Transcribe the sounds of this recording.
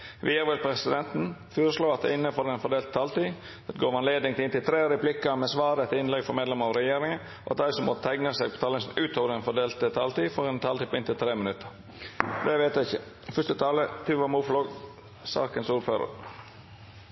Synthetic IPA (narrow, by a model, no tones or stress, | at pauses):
ʋʔɪːəʋɪlpʰɾɛsɪd̪ɛnt̪n̩føːɾəsloːɑt̪̚d̪ɛ̰ɪnːəfɔɾd̪ɛnfɔɾɖ̪eːlt̪ə̥t̪ʰɑːlt̪iː | d̪ɛt̪ɡoːʋɑnleːd̪nɪŋt̪ɪnt̪ɪlt̪ʰɾeːɾəplɪkːɑmɛsʋɑːɾət̪ʰɪɪnlɛɡfɔɾmeːd̪lɛməɾɑɾɛjeːɾɪŋən | ɔ̰ʔɑt̪̚d̪æɪsɔmɔt̪t̪ʰæŋnəseːɡ̚pʰɔ̥t̪ʰɑlɪŋsn̩ʉːt̪oːʋəɾd̪ɛnfɔɖ̪eːlt̪ət̪ʰɑlt̪iːfɔɾɛnt̪ʰɑːlt̪iːpʰɔɪnt̪ʰɪlt̪ʰɾeːmɪnʉt̪ʰːəɾ | d̪ɛʋeɪt̪jæɪçə | fʏst̪ət̪ʰɑːlət̪ʰʉːʋɑmuːflɔɡ | sɑ̰ːkənsuːɾføːɾə̰ɾ